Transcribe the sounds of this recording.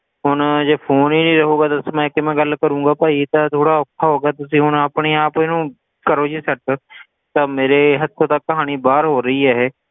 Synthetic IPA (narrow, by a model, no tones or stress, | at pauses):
ɦʊnd͡ʒepʰoːnɦinĩɾɐɦoːɡaːd̪ɐsməkemɛ̃ːɡɐlkəɾũːɡaːpaːit̪ɐt̪ʰoːɽaʊkʰːaɦoːɡat̪ʊsĩɦʊnəpɳeaːpɪnũ | kəɾoːd͡ʒisɐʈ̚ | t̪ɐmeːɾeɦɐt̪ʰːot̪ɐkːɐɦaːñibaːɾɦoːɾɐɦiɦɛɦɛː